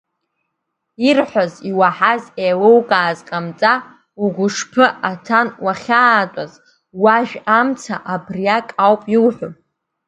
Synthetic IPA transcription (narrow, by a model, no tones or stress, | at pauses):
irħʷaziwaħazejlowkʼaːzqʼamt͡sʼa | uɡʷʊʂpʰɨʔatʰanwaχʲaːtʷʼaz | waʒᶣamt͡sʰaʔabrijakʼawpʼilħʷᶣʊ